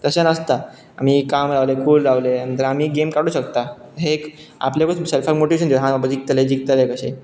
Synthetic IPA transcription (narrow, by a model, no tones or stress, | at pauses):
t̪əsenəst̪a | a̰m̤iːkamɾaʋlekuːlɾaʋlemə̃nt̪ɾam̤iːɡemkaɽuːɕək̚t̪aɦeka̰pljakot͡sselfakmoʈiʋeɕ̬ənd̪ejɦãbabəd͡ʑik̚t̪əled͡ʑik̚t̪əlekəɕḛ